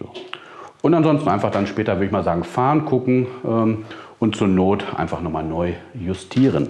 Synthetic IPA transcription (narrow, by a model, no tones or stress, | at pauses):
z̥oː | ʔʊntanzɔnstn̩ʔa̰ɪnfaχd̥anʃpɛːtɐvʏɐdəɪçmaːlzaːɡŋ̩faːnkʰʊkŋ̩ʔɛːmʔʊntt͡suɐnoːtʔa̰ɪnfaχnɔχmaːlnɔʏjʊstʰiːʁən